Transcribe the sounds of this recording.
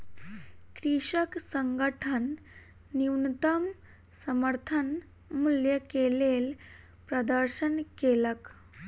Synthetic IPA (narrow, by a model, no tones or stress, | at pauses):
kɾiʂəksəŋɡəʈʰənː | iwnt̪əm | səməɾt̪ʰən | muljəkelel | pɾəd̪əɾɕənkelək